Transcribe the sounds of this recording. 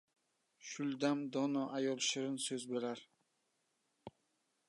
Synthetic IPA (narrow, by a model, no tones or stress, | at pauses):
ʃʊlˠd̪amd̪ɒnɒʔajɒlˠʃɪɾɪnsɵzbeɾaɾ